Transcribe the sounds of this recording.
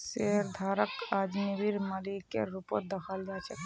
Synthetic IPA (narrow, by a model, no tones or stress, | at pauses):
seɾd̪ʱaɾəkad͡ʒnibiɾməlikḛɾupod̪əkʰəld͡ʒat͡ʃʰɛ